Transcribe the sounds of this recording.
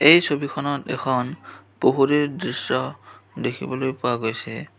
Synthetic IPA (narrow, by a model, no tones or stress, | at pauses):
ejsobikʰɔnɔtɛ̰kʰɔnboɦuɾedɹisɔdekʰḭbɔlojpʊwaɡojsɛ̰